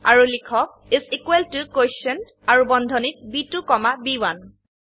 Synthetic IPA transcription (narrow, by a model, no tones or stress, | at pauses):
aɹulikʰɔk̚ | izikweltukojsən | aɹubɔndʱɔnit̚bitukɔmabiwan